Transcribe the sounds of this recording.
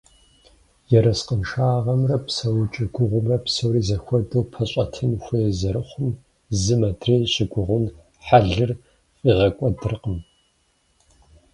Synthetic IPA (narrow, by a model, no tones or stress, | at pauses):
jɛɾɐsqənʂaːʁɐmrɐpsɐwt͡ʃʼɪɡʷʊʁʷʊmrɐpsɐwɾiːzɐxʷɔdɐwpʰɐɕʼɐtʰɨnxʷejɛzɐɾɨχʷʊm | zɨmɐdreːɕɪɡʷʊʁʷʊn | ħaɮɨr | fʼiːʁɐkʷʼɔdɨrqəm